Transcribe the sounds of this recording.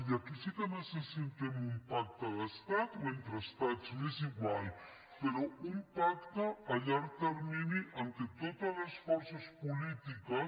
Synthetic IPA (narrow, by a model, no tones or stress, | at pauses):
jakisikenasesent̪emumpak̚t̪aðast̪at̪mẽnt̪ɾast̪at͡smeziɣwal | peɾɔumpakt̪aaʎaɾt̪eɾminiʔant̪et̪ot̪alasfɔɾsaspulit̪ika